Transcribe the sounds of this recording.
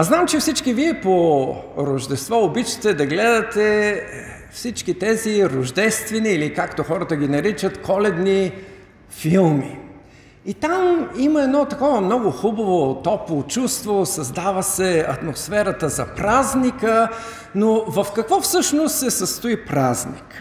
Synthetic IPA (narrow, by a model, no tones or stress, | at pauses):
ɐznamt͡ʃɛfsit͡ʃkiviɛpoɾoʒd̪ɛst̪vɔobit͡ʃə̥t̪ɛd̪ɐɡlɛd̪ɐt̪ɛ | fsit͡ʃkit̪ɛziɾoʒd̪ɛst̪vɛniːlikakt̪oxɔɾət̪əɡ̟ʲinɐɾit͡ʃət̪kʰɔlɛd̪ni | filˠmi | it̪amiməɛd̪nɔt̪ɐkɔvəmnɔɡʊxubɐvot̪ɔpovot͡ʃust̪vosɐzd̪avəsɛɐt̪mosfɛɾət̪əzɐpɾaznikə | novɐfkɐkvɔfsɤʃnost̪sɛsɐst̪ʊipɾaznḭk